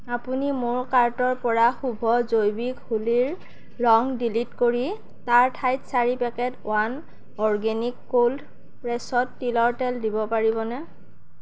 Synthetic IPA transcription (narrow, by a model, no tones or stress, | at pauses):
apunimʊɹkaɹtɔɹpɔɹaxubʱɔzojbikhuliɹ | ɹɔŋdilitkoɹi | taɹtʰajtsaɹipɛkɛtʊ̰an | ɔɹɡɛnikːold | pɹɛsɔtːilɔɹtɛldibɔpaɹibɔnɛ